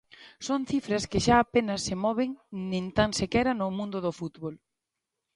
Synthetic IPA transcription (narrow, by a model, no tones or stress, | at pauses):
soŋθifɾɐskɪʃaːpenɐsːemɔβɪŋnẽnt̪ansekɛɾɐnʊmũnd̪ʊðofut̪βɔl